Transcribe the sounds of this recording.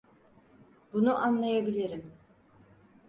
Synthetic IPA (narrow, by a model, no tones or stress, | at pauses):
bunuʔanlˠajabilʲiɾim